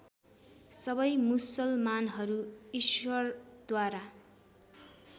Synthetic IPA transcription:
sʌbʌjmusʌlmanɦʌɾuiswʌrd̪waɾa

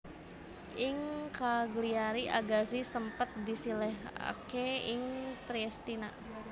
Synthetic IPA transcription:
ʔɪŋkaɡliaɾiʔa̰ɡasisəmpət̪̚disilɛɦa̰keɪŋt̪ɾiɛst̪ina̰

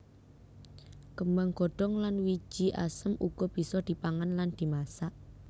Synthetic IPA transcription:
kəməŋɡ̥ɔ̤ɖ̥ɔŋlanwi̥d͡ʒ̥i̤ʔa̰səmṵɡ̥ɔ̤b̥i̤sɔd̪̥i̤paŋanland̪̥i̤masaʔ

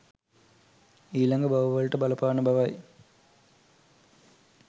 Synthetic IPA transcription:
iːlɐŋɡɐbɐʋɐʋɐɻʈːɨbɐlɐpːaːɳɨbʱɐʋaːj

